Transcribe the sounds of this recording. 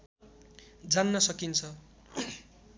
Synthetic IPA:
d͡zanːʌsʌkint͡sʰʌ

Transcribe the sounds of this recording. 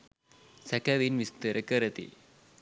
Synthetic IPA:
sɐkɐʋinʋist̪ɐɾʔɐkɐɾɐt̪ḭ

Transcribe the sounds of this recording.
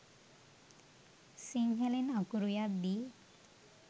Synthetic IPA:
siŋɦelinakuɾujabi

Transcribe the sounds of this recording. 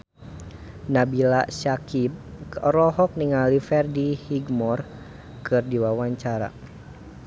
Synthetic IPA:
nabilasakip̚ɾɔɦɔk̚niŋalifɛrdihiɡmɔr | kɨrdiwawaɲt͡ʃaɾa̰

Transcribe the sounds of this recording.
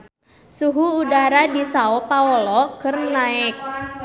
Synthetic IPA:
suɦuːdaɾadisaɔpaɔlɔkɨrnaɪk̚

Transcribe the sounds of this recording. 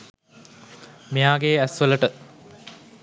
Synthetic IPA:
mejaːɡeæsʋələʈə

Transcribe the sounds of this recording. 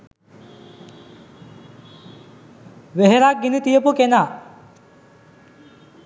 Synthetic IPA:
ʋeɦeɾak̚ɡinit̪ijəpukenaː

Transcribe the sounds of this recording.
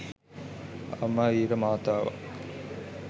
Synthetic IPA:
a̰mːaːiːɾəmaːt̪aːʋa̰

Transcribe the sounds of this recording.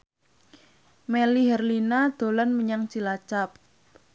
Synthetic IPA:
meliɦɛrlinad̪̥o̤lɔnməɲaŋt͡ʃilat͡ʃap̚

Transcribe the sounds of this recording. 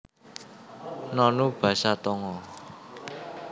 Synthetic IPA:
nɔnub̥ä̤sat̪ɔŋɔ

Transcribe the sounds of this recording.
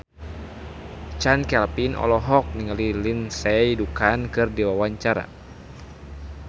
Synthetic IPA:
t͡ʃankɛlpinʔɔ̰lɔɦɔk̚niŋalilinsɛidukankɨrdiwawaɲt͡ʃaɾa̰

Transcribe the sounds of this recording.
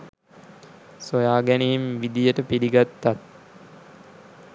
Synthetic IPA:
sojaːɡæneimʋid̪ijəʈəpiɾiɡat̪ːat̪̚

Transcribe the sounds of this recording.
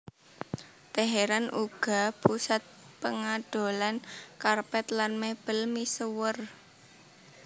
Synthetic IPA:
t̪eɦeɾanʔuɡ̥a̤pusat̪̚ | pəŋaɖ̥o̤lankarpɛt̪lanmeb̥əlmisəwər

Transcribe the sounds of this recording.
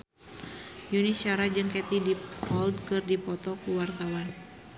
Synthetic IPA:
juniʃaɾad͡ʒɨŋkɛt̪idipɔldkɨrdipɔt̪ɔkuwart̪awan

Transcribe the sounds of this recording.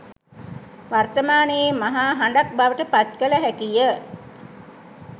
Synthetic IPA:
ʋart̪əmaːnəjemaɦaːɦaɳɖak̚baʋəʈəpat̪kələɦækijə

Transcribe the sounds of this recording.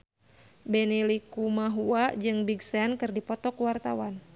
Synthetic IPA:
bɛnilikumaɦuad͡ʒɨŋbiɡsɛnkɨrdipɔt̪ɔkuwart̪awan

